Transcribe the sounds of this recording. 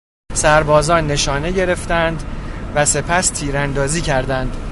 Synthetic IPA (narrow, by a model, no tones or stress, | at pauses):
sæɾbɒːzɒːnːe̞ʃɒːne̞ɟe̞ɾe̞ft̪ænd̪væse̞pʰæst̪ʰiːɾænd̪ɒːziːcʰæɾd̪ænd̪̥